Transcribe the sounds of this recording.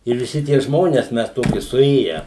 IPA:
ɪr ʋʲɪˈsʲɪ tʲiɛ ˈʒmoːnʲɛs ˈmʲɛs ˈtoːkʲɪ sʊˈeːjæː

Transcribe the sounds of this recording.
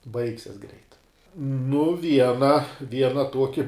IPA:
ˈbɐɪksʲɛs ɡrʲɛɪt nʊ ˈʋʲiɛnɐ ˈʋʲiɛnɐ ˈtuɔkʲɪ

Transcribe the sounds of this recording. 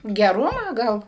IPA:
ɡʲɛˈrʊmɑː ˈɡɐlˠ

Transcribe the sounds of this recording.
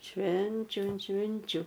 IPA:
ˈʃʲʋʲɛnʲt͡ʃʲʊ ɐnt ˈʃʲʋʲɪnʲt͡ʃʲʊ

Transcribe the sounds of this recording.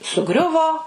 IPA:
sʊˈɡrʲʊʋoː

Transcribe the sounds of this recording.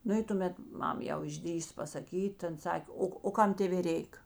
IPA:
ˈnʊ ɪ tʊˈmʲɛt ˈmɐm jɛʊ ɪʒʲˈdʲrʲiːsoː pɐsɐˈkʲiːt tɐ ˈɐn ˈsɐkʲ ˈoː oː ˈkɐm ˈtʲeːʋʲeː ˈrʲɛɪk

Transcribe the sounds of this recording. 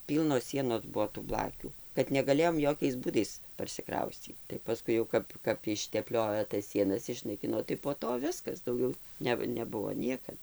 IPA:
ˈpʲiːlˠnoːs ˈsʲiɛnoːs ˈbuɔ tuː ˈblˠɑːkʲuː kɐt nʲɛɡɐˈlʲeːjoːm ˈjoːkʲɛɪs ˈbuːdɐɪs pɐrʲsʲɪˈkrɐʊsʲt͡sʲiːt tɐɪ pɐˈskʊɪ jɛʊ ˈkɐp kɐp ɪʃʲtʲɛˈpʲlʲoːjoː tɐs ˈsʲiɛnɐs ɪʃnɐɪˈkʲɪnoː tɐɪ poː ˈtoː ˈʋʲɪskɐs ˈdɐʊɡʲɛʊ ˈnʲɛ nʲɛˈbʊʋoː ˈnʲiɛkɐt

